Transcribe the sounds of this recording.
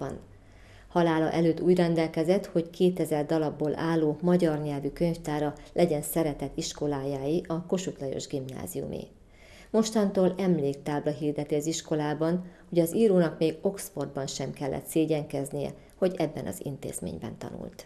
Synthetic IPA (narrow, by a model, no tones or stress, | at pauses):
bɒ̰n | hɒlaːlɒ̰ʔɛløːt̪ːuːɟrɛnd̪ɛlkɛzɛt̪ho̞ckʰeːt̪ɛzɛrd̪ɒlɒbːoːlʔaːlːoːmɒɟɒrɲɛlvykø̞ɲft̪aːɾɒlʔɛɟɛnsɛɾɛt̪ɛt̪iʃko̞laːjaːjiʔɒko̞ʃut̪lɒjo̞̰ʒɡimna̰ːzijṵmḛː | mo̞ʃt̪ɒnt̪oːlɛmleːkt̪aːblɒɦiːrd̪ɛt̪iɒziʃko̞laːbɒnho̞ɟɒziːɾoːnɒkmeːɡo̞ksfo̞rd̪̚bɒnʃɛmkɛlːɛ̰t̪seːɟɛŋkɛznijɛ̰ | ho̞ɟɛbːɛnʔɒ̰zḭnt̪ḛːz̥mḛːɲbɛ̰nt̪ɒ̰nṵlt̪